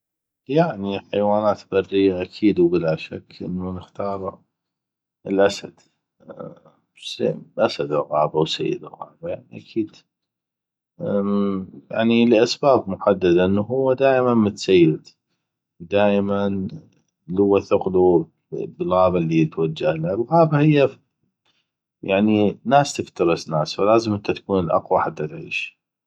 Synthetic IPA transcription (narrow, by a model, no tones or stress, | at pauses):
jaʕniħajwaːnaːt̪barːijːaʔakʰiːd̪wbɪlaʃa̰kːʔə̰nːunəxt̪ɑːɾˤ | əlʔasad̪̥ | sḛʔasad̪ɪlɣɑ̰ːbawsa̰jːɪd̪ɪ̰lɣɑ̰ːbajaʕniʔakʰiːd̪ | ja̰ʕnilʔasbaːbmʊħad̪ːad̪aʔənːuɦʊwːad̪aːʔmanmʊt̪sajːɪd̪ | d̪aːʔman | lʊwːaθʊqlu | bɪlɣaɑːbalːiɪt̪wad͡ʒːahlalɣaːbahɪjːa | jaʕninaːst̪ɪft̪ɑɾˤɨsnaːsfalaːzəmʔənt̪at̪ḁkuːnəlʔɑ̰qwaħat̪ːat̪ʕḭːʃ